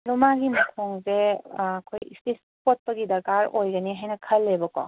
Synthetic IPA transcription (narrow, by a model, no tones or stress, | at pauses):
lumaɡimɐkʰoŋzeːkʰoj̰sis | pot̚pɐɡidɐɡaɾojɡɐniɦajnɐkʰɐlːebɐkɔ̰